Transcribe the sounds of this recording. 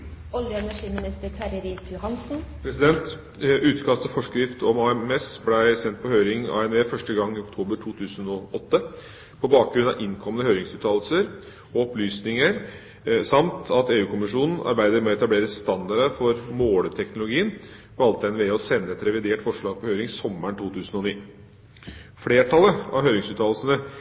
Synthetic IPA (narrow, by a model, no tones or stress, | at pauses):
ɔljəɛnæʂiːmɪnɪst̪əɾtʰæɾəɾiːsjʊhɑnsn̩pʰɾɛsɪd̪ɛnt̪ | ʉːt̪kʰɑst̪ɔfɔʂkɾɪft̪ʰɔmɑɛmɛsblæɪsɛnt̪̚pʰɔhøːɾɪŋɑ̰ːɛnʋeːfœʂʈəɡɑŋːɪɔk̚t̪ʰuːbəɾʈʰuːt̪ʰʉːsənɔʔɔt̪ːə | pʰɔbɑːk̚ɡɾʉnɑʔɪŋkʰɔmːənəhøːɾɪŋsʉːt̪ʰɑːlsəɾ | ɔɔplyːsnɪŋəɾ | sɑmt̪ʰɑt̪eːʉːkʰʊmɪʂuːnn̩ɑ̰ɾbæɪd̪əɾmɛɛt̪ɑbleːɾəst̪ɑnd̪ɑɖəfɔɾmoːlət̪ʰɛknʊlʊɡiːən | ʋɑlt̪əɛnʋɛɔsɛnːəɛt̪ɾɛʋɪd̪eːʈfɔʂɭɑːɡ̚pʰɔhøʏɾɪŋsɔmːəɳʈ̪ʰuːt̪ʰʉːsn̩ɔniː | fɽeːʈʰɑləɑ̰ʋɦøːɾɪŋsʉːt̪ʰɑːlsənə